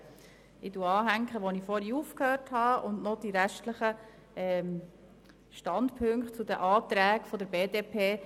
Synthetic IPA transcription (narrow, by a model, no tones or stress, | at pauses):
ɪduɑːɦæŋkχəʋonifɔɾiufkhøːɾthɑːʔʊndnɔd̥̪iɾæʃtləχə | ɛ | ʃtɑndpʰɵŋkχtt͡sud̪əʔɑːt̪ɾæːkfɔdəɾbeːdeːpʰeː